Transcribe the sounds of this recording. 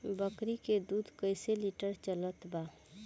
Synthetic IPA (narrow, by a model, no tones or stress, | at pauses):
bəkɾiked̪uːd̪ʱkəɪseliʈəɾt͡ʃələt̪baː